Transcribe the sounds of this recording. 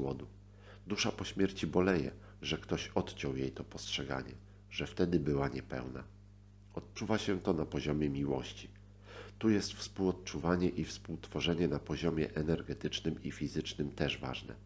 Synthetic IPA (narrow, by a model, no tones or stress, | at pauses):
wɔd̪u | d̪uʂapɔɕmʲjɛɾt͡ɕibɔlɛjɛ̰ | ʐɛkt̪ɔɕɔt̪t͡ɕɔwjejt̪ɔpɔstʂɛɡa̰ɲɛ̰ | ʐɛft̪ɛd̪ɘbɘwaɲɛpɛ̰wna̰ | ɔt̪̚t͡ʂuvaɕɛt̪ɔnapɔʑɔmʲjɛmʲiwɔ̰ɕt͡ɕi̥ | t̪ujɛst̪fspuwɔt̪̚t͡ʂuvaɲɛʔifspuwt̪fɔʐɛɲɛnapɔʑɔmʲjɛ̰ʔɛnɛɾɡɛt̪ɘt͡ʂnɘmifʲizɘt͡ʂnɘmt̪ɛʐva̰ʐnɛ̰